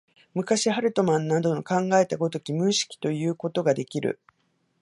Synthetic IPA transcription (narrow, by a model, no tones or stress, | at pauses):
mɯ̟kaɕiɦaɾɯ̟t̪o̞mãnːad̪o̞no̞kãŋɡae̞t̪aɡo̞t̪o̞kʲimɯ̟̃ɰɕi̥kʲi̥t̪o̞jɯ̟ːko̞t̪o̞ɡad̪e̞kʲiɾɯ̟̰